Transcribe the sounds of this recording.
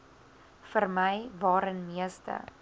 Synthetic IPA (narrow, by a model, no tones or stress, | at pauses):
fərməjvɑːɾənmiəstə̰